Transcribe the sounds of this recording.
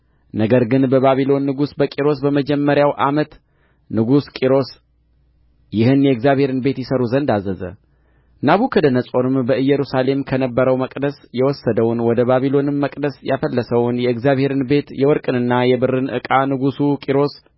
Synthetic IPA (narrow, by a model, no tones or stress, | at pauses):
nəɡəɾɡɨnbəβaβilo̞nːɨɡusbəkʼiɾo̞sbəməd͡ʒɛmːəɾjawʔamət̪ | nɨɡuskʼiɾo̞s | jɪhɨnjɛɨɡzjaβhe̞ɾɨnbe̞t̪jɪsəɾuzənd̪azəzə̰ | naβukʰəd̪ənəsʼo̞nɨmbəʔɨjːɛɾusale̞mkʰənəbːəɾəwməkʼd̪əsjɛwɔsːəd̪əwʊnwɔd̪əβaβilo̞nɨmːəkʼd̪əsjafəlːəsəwʊnjɛɨɡzjaβhe̞ɾɨnbe̞t̪jɛwɔɾkʼɨnɨnːajɛbɨrɨnʔɨ̰kʼanɨɡusukʼiɾo̞s